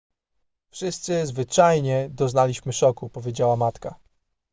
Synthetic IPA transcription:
fʂɘst̪sɘzvɘt͡ʂajɲɛd̪ɔznalʲiɕmɘʂɔkupɔvʲjed͡ʑawamat̪ka

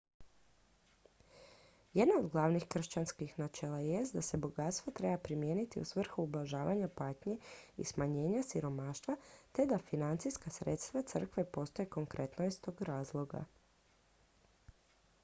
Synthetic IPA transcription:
jed̪nao̞d̪ɡlˠaʋnixkr̩ʃt͡ɕanskixnat͡ʃelajest̪̚d̪ase̞boɡat̪st̪ʋat̪ɾe̞bapɾimjeːnit̪iṵsʋr̩xuublaʒaːʋaɲapaːt̪ɲeḭsmaɲe̞ːɲasiɾo̞maːʃt̪ʋat̪e̞d̪afinant̪sijskasɾet̪st̪ʋat̪sr̩kʋe̞po̞st̪ojeko̞ŋkɾʔe̞t̪noist̪o̞ːɡɾaːzlˠo̞ɡa̰

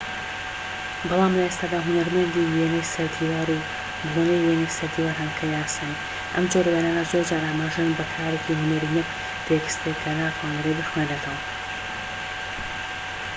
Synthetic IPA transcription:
bɑlˠaːmlɐest̪aːd̪aːɦʊnɐɾmɐnd̪ijenejsɐɾd̪iwaɾ | benejenejsɐɾd̪iwaːɾɦankʰɐjaːsan | ʔɐmd͡ʒoɾwenaːnɐzoːɾd͡ʒaːɾʔaːmaːʒejnbɐkʰaːɾeciɦʊnɐɾijɛk | t̪ʰeɡɨ̥st̪ekʰɐnatʰaːnɐɾed̪ɨxwend̪ɐt̪ʰɐwɐ

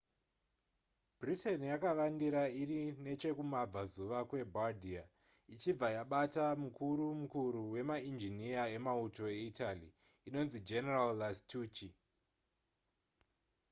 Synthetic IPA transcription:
bʱrite̞nijakaʋandiɾairine̞t͡ʃe̞kumab͡vazuʋakwe̞bʱadʱia | it͡ʃib͡vajaɓatamukuɾumukuɾuwe̞maind͡ʒiniae̞mauto̞e̞italiː | no̞nzid͡ʒe̞neralːastʰuːt͡ʃi

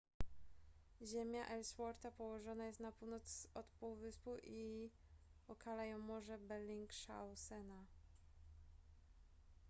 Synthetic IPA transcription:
ʑemʲjaʔɛlswɔɾt̪apɔwɔʐɔnajɛst̪napuwnɔt̪sɔt̪puwvɘspuwi | ɔkʰalajɔ̃wmɔʐɛbɛɾlʲiŋkʂa̰wsɛna

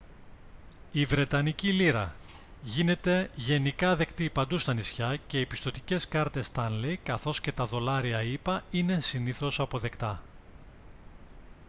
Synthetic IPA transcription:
ivɾe̞t̪ɐniciliɾɐ̰ | ʝine̞t̪e̞ʝe̞nikɐðe̞kt̪ipɐnd̪ust̪ɐnisçɐce̞ipi̥st̪o̞t̪ice̞skɐɾt̪e̞st̪ɐnlejkɐθo̞sce̞t̪ɐðo̞lɐɾiɐipɐine̞siniθo̞sɐpo̞ðe̞kt̪ɐ

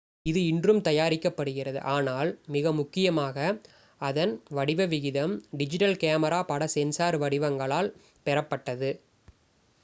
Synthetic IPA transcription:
ɪðɯɪndrɯmt̪ɐjaːɾɪkːɐpːɐɽɯɣɪrɐðɯ̰ʔaːnaːlmɪɣɐmʊkːɪjɐmaːɣɐ | ɐðɐnʋɐɽɪʋɐʋɪɣɪðɐmɖɪd͡ʒɪʈɐlkeːmɐɾaːpɐɽɐsɛnsaːɾʋɐɽɪʋɐŋɡɐɭaːl | pɛɾɐpːɐʈːɐðɯ

